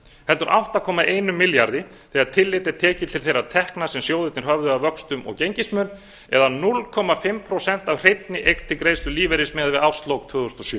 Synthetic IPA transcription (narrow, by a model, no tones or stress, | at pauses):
hɛlt̪ʏɾʔa̰wht̪akʰɔːmaʔeːjnʏmːɪljaɾðɪθɛaðt̪ʰɪlːɪt̪ɛɾt̪ʰɛːcɪ̥t̪ʰɪlθejɾːat̪ʰɛhknasɛmsjoːwðɪt̪nɪɾ̥ɦœvðʏavœkst̪ʏmɔ̰ɣcejɲcɪsmœːn | ɛðanʊlkʰɔːmafɪmpʰɾowsɛn̥t̪awr̥ejt̪nɪʔejk̪t̪ʰɪlkɾeːjst̪ʏliːvɛɾɪsmɛːðavɪðawst̪lowkt̪ʰv̥ʏːðʏst̪ɔsjœː